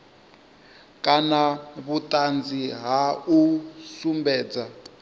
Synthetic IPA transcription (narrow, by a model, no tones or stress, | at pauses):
kʼanaβutʼand͡ziɦausumbɛːd͡za